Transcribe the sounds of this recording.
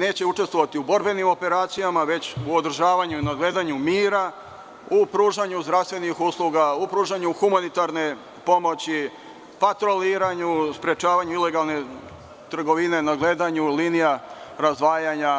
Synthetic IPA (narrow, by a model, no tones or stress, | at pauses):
ne̞ːt͡ɕe̞ut͡ʃe̞st̪ʋo̞ʋat̪iubo̞ɾbe̞nimo̞pe̞ɾaːt̪sijamaʋe̞t͡ɕuo̞d̪r̩ʒaːʋaɲuinaɡle̞ːd̪aɲumiːɾa | upɾuːʒaɲuzd̪ɾafst̪ʋe̞nixuslˠuɡaupɾuːʒaɲuxumanit̪aɾne̞ | po̞mo̞t͡ɕi | pat̪ɾo̞liːɾaɲuspɾe̞t͡ʃaːʋaɲuile̞ɡalˠne̞ | t̪r̩ɡo̞ʋine̞naɡle̞d̪aɲuliːnijaɾazd̪ʋaːjaɲa